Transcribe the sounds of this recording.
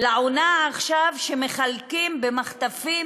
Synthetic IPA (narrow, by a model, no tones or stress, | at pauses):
laonaːχʃavʃeme̞χalkimbe̞maχt̪afi